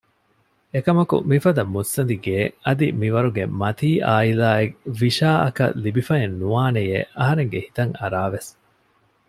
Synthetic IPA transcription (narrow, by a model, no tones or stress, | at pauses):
ekɐmɐkṵmifɐd̪ɐmːusːɐnd̪iɡeːɐd̪imiʋɐɾuɡemɐt̪iːʔaːilaːekʋiʃaːʔɐ̰kɐ̰libifɐenːuaːnejḛʔɐɦɐɾeŋɡehit̪ɐŋɐɾaːʋes